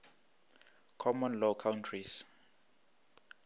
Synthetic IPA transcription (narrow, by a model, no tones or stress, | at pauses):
kʰɔmɔnlɔkʰawntʰris